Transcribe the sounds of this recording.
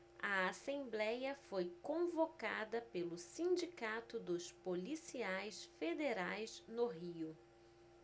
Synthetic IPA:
ɐasẽmblɛjɐfojkõvoka̰d̪ɐpelʊsĩd͡ʒikat̪ʊd̪ʊspolisiajsfed̪eɾajsnʊɦiʊ

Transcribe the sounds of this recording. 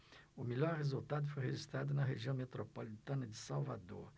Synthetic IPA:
ʊmeʎɔɾhezult̪ad̪ʊfojɦeʒist̪ɾad̪ʊnɐɦeʒiɐ̃w̃met̪ɾopolit̪ɐ̃nɐd͡ʒɪsawva̰d̪oɾ

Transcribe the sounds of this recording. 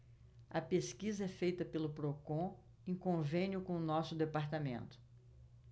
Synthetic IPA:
ɐpeskizɐɛfejt̪ɐpelʊpɾokõ | ẽkõvẽnjʊkõʊnɔsʊd̪epaɾt̪amḛ̃nt̪ʊ̥

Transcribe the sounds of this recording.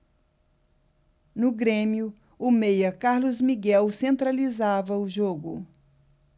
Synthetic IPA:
nʊɡɾẽmiʊ | ʊmejɐkaɾlʊzmiɡɛwsẽnt̪ɾalizavɐʊʒoɡʊ

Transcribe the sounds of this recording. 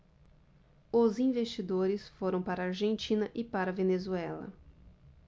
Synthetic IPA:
ʊzĩvest͡ʃid̪oɾɪsfoɾɐ̃w̃paɾɐaɾʒẽnt͡ʃĩnɐʔɪpaɾɐvenezuɛlɐ̰

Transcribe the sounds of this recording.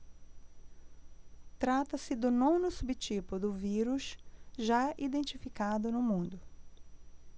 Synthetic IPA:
t̪ɾat̪ɐsɪd̪ʊnõnʊsubɪt͡ʃipʊd̪ʊviɾuʃʒaʔid̪ẽnt͡ʃifikad̪ʊnʊmũnd̪ʊ

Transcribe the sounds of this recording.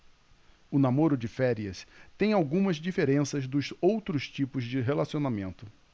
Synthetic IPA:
ʊnamoɾʊd͡ʒɪfɛɾiɐst̪ẽj̃awɡũmɐzd͡ʒifeɾẽsɐzd̪ʊzowt̪ɾʊst͡ʃipʊzd͡ʒɪɦelasionamẽnt̪ʊ

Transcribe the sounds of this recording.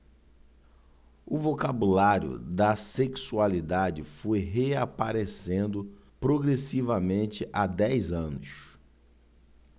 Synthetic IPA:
ʊvokabulaɾjʊ̰d̪ɐseksualid̪ad͡ʒɪfojɦeapaɾesẽnd̪ʊpɾoɡɾesivɐmẽnt͡ʃɪʔad̪ɛjzɐ̃nʊs

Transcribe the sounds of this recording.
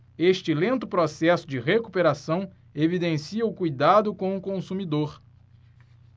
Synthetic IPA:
eʃt͡ʃɪlẽnt̪ʊpɾɔsɛsʊd͡ʒɪʁekupeɾasɐ̃w̃ | evid̪ẽsiɐʊkujd̪ad̪ʊkõw̃ʊkõsumid̪oɾ

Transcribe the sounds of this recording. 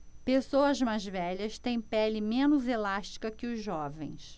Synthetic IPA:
pesowɐzmajzvɛʎɐst̪ẽj̃pɛlɪmẽnʊzelaʃt͡ʃi̥kɐkɪʊzʒɔvḛ̃j̃s

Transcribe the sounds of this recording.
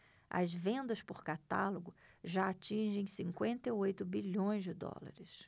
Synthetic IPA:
ɐ̰zvẽnd̪ɐspʊɾkat̪a̰lʊɡʊʒaːt͡ʃĩʒẽj̃sĩŋkwẽnt̪ɐiojt̪ʊbiʎõj̃zd͡ʒɪd̪ɔ̰la̰ɾɪs

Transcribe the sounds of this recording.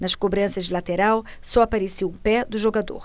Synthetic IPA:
nɐʃkobɾɐ̃sɐʒilɐt̪eɾaw | sɔɐpɐɾesiwupɛd̪ʊʒoɡad̪o̰ɾ

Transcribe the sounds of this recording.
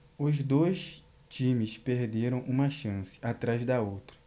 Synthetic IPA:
ʊzd̪ojs | t͡ʃĩmɪspeɾd̪eɾɐ̃w̃ʔũmɐʃɐ̃sɪ̥at̪ɾazd̪ɐowt̪ɾɐ

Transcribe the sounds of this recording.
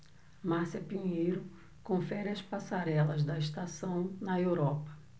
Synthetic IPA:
maɾsɐpiɲejɾʊ | kõfɛɾiɐspasaɾɛlɐzd̪ɐist̪asɐ̃w̃nɐewɾɔpɐ̥

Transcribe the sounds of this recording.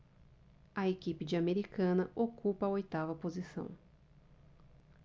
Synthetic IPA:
ɐekipɪd͡ʒɪameɾikɐ̃nɐʔokupɐɐojt̪avɐpozisɐ̰̃w̃

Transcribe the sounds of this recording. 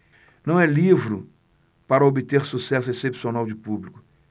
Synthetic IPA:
nɐ̃w̃ɛlivɾʊ | paɾɐobɪt̪eɾsusɛsʊesepsionawd͡ʒɪpublikʊ

